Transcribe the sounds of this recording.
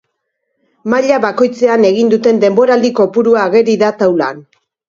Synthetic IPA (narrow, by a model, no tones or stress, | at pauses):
maʎaβako̞jt͡se̞ane̞ɣ̞ind̪ut̪e̞nd̪e̞mbo̞ɾald̪iko̞puɾuaːɣe̞ɾiðat̪awla̰n